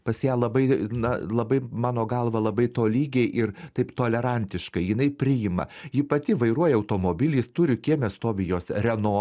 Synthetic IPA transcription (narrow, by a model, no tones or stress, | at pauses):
pɐsʲjæːlˠɐbɐɪnɐlˠɐbɐɪmɑːnoːɡɐlˠʋɐlˠɐbɐɪt̪oːlʲiːɡʲeɪʔɪrt̪ɐɪpt̪oːlʲɛɾɐnʲt̪ʲɪʃkɐɪjɪnɐɪpʲɾʲɪjɪmɐ̰jɪpɐt̪ʲɪʋɐɪɾuɔjɛɐʊt̪oːmoːbʲɪlʲiːst̪ʊɾʲɪkʲiɛmʲɛst̪oːʋʲɪjoːsrʲɛnoː